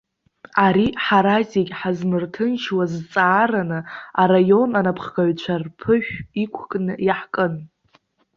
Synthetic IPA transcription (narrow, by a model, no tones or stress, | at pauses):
aɾiħaɾazikʲħazmɨrtʰɨnʃʰwazt͡sʼaːranɨaɾajo̞nanapʰχɡaɥt͡ɕʷʰarpʰɨʃʷᶣikʷʰkʼnɨjaħkʼɨn